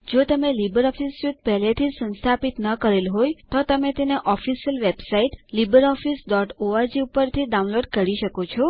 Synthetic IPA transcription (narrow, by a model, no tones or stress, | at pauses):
d͡ʒot̪əmelibəɾɔfisjud̪̚pɛɦlet̪ʰisə̃nst̪ʰapit̪nəkəɾelɦojt̪ot̪əmet̪eneʔɔfisəlʋebsaiʈlibəɾɔfisɖɔʈoaɾd͡ʒiupəɾt̪ʰiɖaunloɖkəɾiʃəkot͡ʃʰɔ